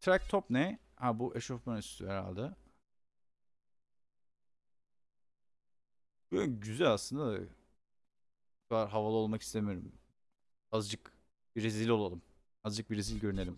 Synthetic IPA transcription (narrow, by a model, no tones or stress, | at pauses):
t̪ʰɾæk̚t̪ʰopnɛ | habuʔeʃofmanyst̪y̰hɛɾa̰lʲd̪ɛ | bnɟyzælʲaslˠɯnd̪ad̪a̰ | t̪aɾɦavalˠɯo̞lˠmaki̥st̪ʰemijoɾym | azd͡ʒɯk | biɾezilʲolˠalˠɯm | azd͡ʒɯk̚biɾezilʲɟøɾyne̞lʲim